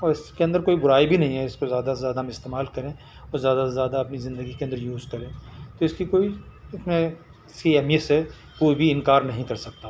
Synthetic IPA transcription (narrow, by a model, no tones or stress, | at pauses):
ɔːɾɪskeɐ̃nd̪əɾkoːibʊɾaːibʱinɐɦĩɦɛɪskozjaːd̪azjaːd̪amɪst̪eːmaːlkɐɾẽː | ɔːɾzjaːd̪azjaːd̪aɐpnizɪ̃nd̪əɡikeɐ̃nd̪əɾjuːzkɐɾẽːt̪oɪskikoːiɪsmẽ | ɪskiɛmse | koːibʱiɪ̃nkaːɾnɐɦĩkɐɾsɐk̚t̪a